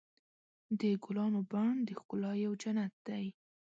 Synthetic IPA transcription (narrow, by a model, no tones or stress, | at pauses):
d̪əɡʊlɑnobaɳd̪əxkʊlɑjawd͡ʒanat̪̚d̪̥aj